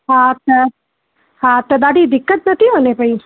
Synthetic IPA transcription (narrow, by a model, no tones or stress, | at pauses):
ɦat̪ə | ɦat̪əd̪aɽid̪ɪkːət̪̚nət̪ʰiɦonepəi